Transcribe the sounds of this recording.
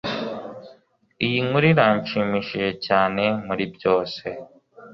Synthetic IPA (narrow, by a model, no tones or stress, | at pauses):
ijiŋuɾiɾaːɲʃimiʃeecaːnemuɾibjoːse